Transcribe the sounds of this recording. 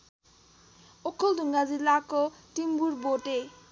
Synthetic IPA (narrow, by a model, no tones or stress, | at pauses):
ɔkʰɔlduŋɡazilakɔtimbuɾbɔte